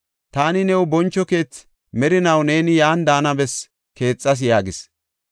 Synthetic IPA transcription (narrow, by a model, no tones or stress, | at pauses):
t̪aːnɪnɛwʊbɔnt͡ʃːɔke̞ːt͡s | mɛɾɪnɐwne̞ːnɪjaːnd̪aːnɐbɛs | ke̞ːt͡sʼːɐs̬jaːɡɪs